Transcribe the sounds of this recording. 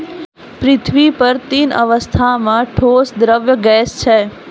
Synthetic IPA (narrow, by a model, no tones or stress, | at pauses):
pɾɪt̪ʰʋipəɾt̪inʔə̰ʋəst̪ʰamãʈʰoːsd̪ɾəʋjəɡɛːst͡ʃʰe